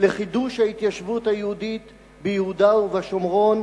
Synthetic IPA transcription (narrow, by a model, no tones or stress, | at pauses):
leχiduʃhait̪jaʃvut̪hajehud̪it̪ | bejehud̪auvaʃomʁo̞n